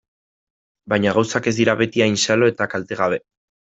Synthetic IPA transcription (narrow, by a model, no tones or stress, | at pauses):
bajɲaɣawsake̞zd̪iɾaβe̞t̪iajnsalo̞e̞t̪akalt̪e̞ɣ̞aβ̞e̞